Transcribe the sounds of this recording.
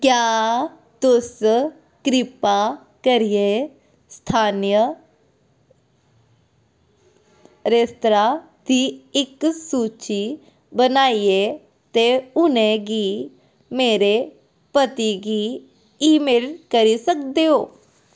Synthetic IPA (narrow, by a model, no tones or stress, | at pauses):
kjaː | t̪ʊs | kɾɪpa | kəɾie | st̪ʰaːnijə | ɾest̪ɾa | d̪iɪksuːt͡ʃi | bənaːie | t̪eʊnẽɡiː | meːɾe | pət̪iɡiː | iːmeːlkəɾisək̚d̪eoː